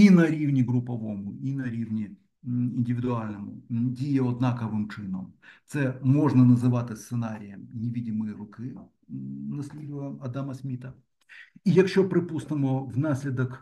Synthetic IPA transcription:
inɐɾʲivnʲɪɡɾʊpɐvomʊinɐɾʲivnʲɪ | ɪnʲdʲɪvʲɪd̪ʊalʲnɐmʊ̰dʲijɪɔd̪nakɐvɨmt͡ʂɨnəmt̪sɛmoʐnɐnɐzɨvat̪ɨst̪sɨnaɾʲɪjəmnʲɪvʲidʲɪmɨjrʊkɨ | nɐsʲlʲid̪vəjəmɐd̪amɐsʲmʲit̪ɐ | ijɐkɕːopɾɪpusnɨmʊvnasʲlʲɪd̪ək

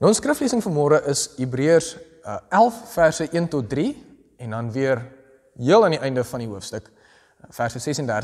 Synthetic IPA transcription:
nonskrəfliəsəŋfərmɔːɾəʔəsɦibriərs | ælˠffærsəʔiəntɔt̚dri | ɛndɐnviər | ɦiəlˠɐniʔɛjndəfɐniɦuəfstək | færsəsɛsɛndær

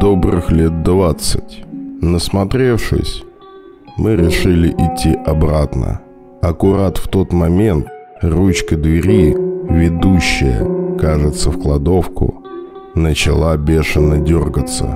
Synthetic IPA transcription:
d̪̥o̞bɾɨxlʲe̞t̪̚d̪vat̪sɨ̰tʲnəsmɐt̪ɾʲe̞fʂɨ̰sʲ | mɨɾʲɪʂɨlʲɪʔɪtʲːiʔɐbɾat̪nə̰ | ɐkʊɾat̪ft̪o̞t̪mɐmʲe̞nt̪̚ | rut͡ɕkəd̪vʲɪɾʲivʲɪd̪uɕːɪjə̰kaʐɨt̪səfklˠɐd̪o̞fkʊ̰ | nət͡ɕɪlˠabʲe̞ʂɨnːədʲorɡət̪sə̰

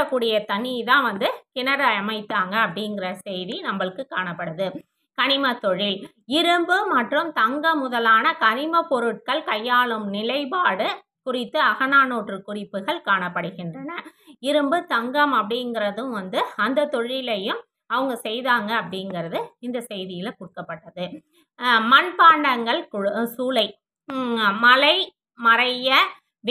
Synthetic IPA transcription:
ɐkːuːɽɪjɐt̪ɐɳit̪ãːʋɐnd̪ɯkɪnɐɾɐɐmɐɪt̪ːaːŋɡɐːpːɐɽɪŋɡɪrɐsɛjðinɐmbɐɭɯkːɯkːaːɳɐpːɐɽɯðɯ | kɐɳɪmɐt̪ːɔɻɪl | ɪɾɯmbɯmɐʈrɯmt̪ɐŋɡɐmʊðɐlaːnɐkɐnɪmɐpɔɾɯʈ̚kɐɭkɐjːaːɭɯmnɪlɐɪpaːɽɯ | kʊrɪt̪ːɯɐɣɐnaːnoːʈrɯkʊrɪpːɯɣɐɭkaːɳɐpːɐɽɯɣɪndrɐnɐɪɾɯmbɯt̪ɐŋɡɐmɐpːɐɽɪŋɡɪɾɐðɯ̃mʋɐnd̪ɯɐnd̪ɐt̪ɔɻɪlɐjɯm | ɐʋɐŋɡɐsɛjðaːŋɡɐːpːɐɽɪŋɡɪɾɐðɯɪnd̪ɐsɛjðɪjɪlɐkʊɽkːɐpːɐʈːɐðɯ | mɐnpaːɳɖɐŋɡɐɭksuːlɐɪ | mɐlɐɪ | mɐɾɐjɐ | ʋ

